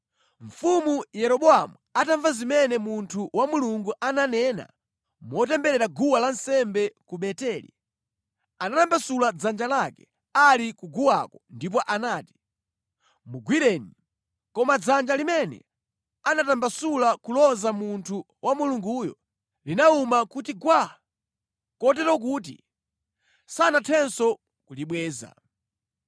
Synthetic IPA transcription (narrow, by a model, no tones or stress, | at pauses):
ɱfumujɛɾɔɓɔamuataɱvazimɛnɛmuntʰuwamuluŋɡuʔananɛna̰ | mɔtɛmbɛɾɛɾaɡuwalansɛmbɛkuɓɛtɛːlḭ | anatambasulad͡zand͡ʒalakɛ̥ | alikuɡuwa̰kɔndip̬ɔʔanaːti̥ | muɡwiɾɛni | kɔmad͡zand͡ʒalimɛnɛ̰ | anatambasulakulɔzamuntʰu | wʔamuluŋɡujɔ̰ | linaumakutiɡwa | kɔt̬ɛɾɔk̬uːt̬ḭ | sanatʰɛnsɔ | kuliɓwɛːza̰